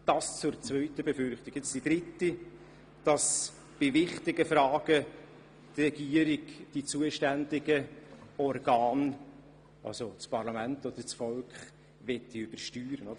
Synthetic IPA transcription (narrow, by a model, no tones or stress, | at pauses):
d̥ɑst͡sʊɾt͡svœʏtəbefʏrχtɪɡket͡sd̥id̥ɾɪti | d̥ɑs | b̥ɪvɪχtɪɡəfɾɑːɡ̥ə | trɛɡiəɾɪɡd̥it͡suəʃtændɪɡəɔrɡɑːn | ɑ̰lsot͡spʰɑɾlɑmæntod̪əɾt͡sfɔlkχ | vɛtːiʏb̥əɾʃtyːɾənod̥̪ə